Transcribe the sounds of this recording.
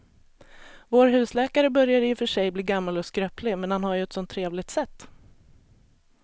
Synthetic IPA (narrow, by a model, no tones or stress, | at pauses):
voːɾɦʉ̟ːslɛːkaɾəbœɾjad̪əɪfœʂɛjbliːɡamːalɔskɾœːpʰlɪmɛnhanhaɾjɵɛt̪sɔnt̪ʰːɾeːvlɪɡ̚t̪sɛt̪ː